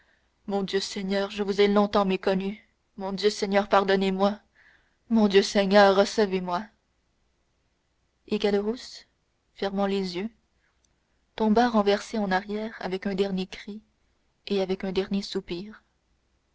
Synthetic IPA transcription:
mɔ̃d̪jøsɛɲœːʁʒəvuzɛlɔ̃t̪ɑ̃mekɔny | mɔ̃d̪jøsɛɲœʁpaʁd̪ɔnemwa | mɔ̃d̪jøsɛɲœʁːəsəvemwa | ekad̪əʁus | fɛʁmɑ̃lezjø | t̪ɔ̃baʁɑ̃vɛʁseɑ̃naʁjɛːʁa̰vɛkœ̃d̪ɛʁnjekχi | eavɛkɛ̃d̪ɛʁnjesupiːʁ

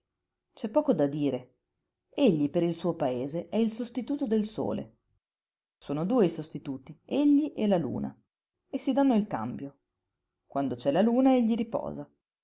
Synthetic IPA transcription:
t͡ʃɛpːɔːkod̪ad̪iːɾe | eʎːipeɾilsuːopaeːzeʔɛilsost̪it̪uːt̪od̪elso̰ːlḛ | soːnod̪uːeisost̪it̪uːt̪ieʎːiʔɛlalṵːna̰ | esːid̪anːoilka̰mbjo | kwʔand̪ot͡ʃɛlaluːnaeʎːiɾipɔ̰ːza

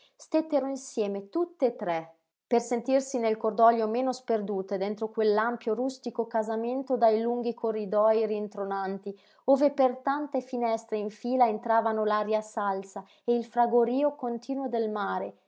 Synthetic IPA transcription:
st̪et̪ːeɾoinsjɛːmet̪ut̪ːeːt̪ːɾɛ | persent̪irsinelkord̪ɔljomeːnosperd̪uːt̪ed̪ɛnt̪ɾokwelːampjoɾust̪ikokazament̪od̪ajluŋɡikʰorːid̪ɔjrient̪ɾonant̪i | oːvepert̪ant̪efinɛst̪ɾeiɱfiːlaent̪ɾaːvanolaɾjasalsa | eilfɾaɡoɾiːokont̪ʰiːnwod̪elmaːɾe

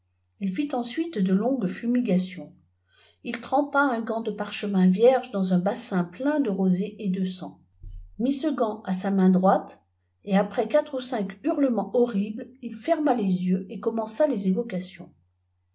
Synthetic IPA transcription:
ilfit̪ɑ̃sɥit̪d̪əlɔ̃ɡfymiɡasjɔ̃ | ilt̪χɑ̃paɛ̃ɡɑ̃d̪əpaʁʃəmɛ̃vjɛʁʒd̪ɑ̃zɛ̃basɛ̃plɛ̃d̪əʁozeʔed̪əsɑ̃ | misəɡɑ̃asamɛ̃d̪ʁwat̪ | eapχɛkat̪χusɛ̃kyʁləmɑ̃ʔɔʁiblilfɛʁmalezjøekɔmɑ̃salezevɔkasjɔ̰̃

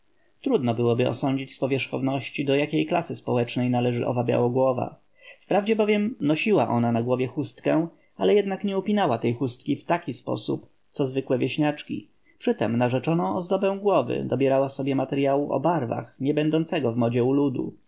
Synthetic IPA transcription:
t̪ɾud̪nɔbɘwɔbɘɔ̰sɔɲd͡ʑit͡ɕspɔvʲjɛʂxɔ̰vnɔɕt͡ɕid̪ɔjakʲejklasɘspɔwɛt͡ʂnɛjnalɛʐɘ̰ʔɔ̰vabʲja̰wɔɡwɔva̰ | fpɾavd͡ʑɛbɔvʲjɛmnɔɕiwaʔɔnanaɡwɔvʲjɛxust̪kɛ̃ | alɛjɛd̪nakɲɛupʲinawat̪ɛjxust̪̚kʲift̪akʲispɔ̰sup | t̪sɔzvɘkwɛvʲjeɕɲat͡ʂkʲḭ | pʂɘt̪ɛmnaʐɛt͡ʂɔnɔ̃w̃ɔzd̪ɔbɛ̃w̃ɡwɔvɘ̰d̪ɔbʲjɛɾawasɔbʲjɛmat̪ɛɾjawuʔɔ̰baɾva̰xɲɛbɛnd̪ɔnt̪sɛɡɔvmɔd͡ʑɛulud̪ṵ

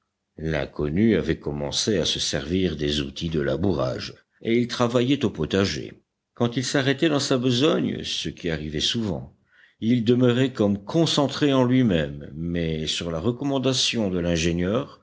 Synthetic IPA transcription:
lɛ̰̃kɔnyavɛkɔmɑ̰̃seasəsɛʁviʁd̪ezṵt̪ʰid̪əla̰buʁa̰ʒ | eilt̪χavajɛt̪opɔt̪aʒḛ | kɑ̃t̪ilsaʁɛt̪ɛd̪ɑ̃sabəzɔɲsəkʲiaʁivɛsuvɑ̰̃ | ild̪əməʁɛkɔmkʰɔ̃sɑ̃t̪χeɑ̃lɥimɛmːɛsyʁlaʁəkɔmɑ̃d̪asjɔ̃d̪əlɛ̃ʒeɲjœʁ

